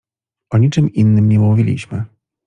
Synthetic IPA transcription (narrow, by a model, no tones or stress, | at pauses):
ʔɔɲit͡ʂɘmʔinːɘmɲɛmuvʲilʲḭɕmɘ